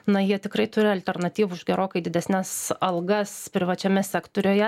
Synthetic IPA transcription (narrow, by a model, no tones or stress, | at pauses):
nɐjiɛt̪ʲɪkɾɐɪt̪ʊɾʲɪɐlʲt̪ʲɛrnɐt̪ʲiːʋʊɪʒɡʲɛɾoːkɐɪd̪ʲɪd̪ʲɛsʲnʲæsɐlˠɡɐspʲɾʲɪʋɐt͡ʃʲɛmʲɛsʲæːkt̪oːɾʲoːjɛ